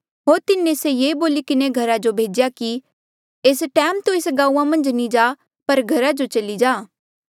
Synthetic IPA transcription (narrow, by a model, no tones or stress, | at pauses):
ɦoːɾt̪ɪnːẽsejeːboːlikɪneɡʱɐɾad͡ʒobʱeːd͡ʒjaki | eːsʈɛːmt̪oeːsɡãːuːãmɐ̃nd͡ʒnĩd͡ʒaː | pɐɾɡʱɐɾad͡ʒot͡ʃɐlid͡ʒaː